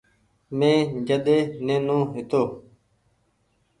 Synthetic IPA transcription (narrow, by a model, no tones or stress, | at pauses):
mẽːd͡ʒəɗ̪eːnẽːnõːɦɪt̪oː